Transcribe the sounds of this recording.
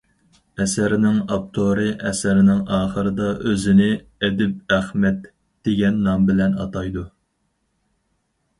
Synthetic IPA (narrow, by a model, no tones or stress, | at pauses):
ɛsæɾɪnɪŋɑp̚t̪ʰoɾɨʔɛsæɾɪnɪŋɑːχəɾɨd̪ɑʔøzɪnɪ | ɛd̪ɪp̚æχmɛt̪ | d̪̥eɡʲɛnːɑmbɪlɛnɑ̰t̪ɑjd̪u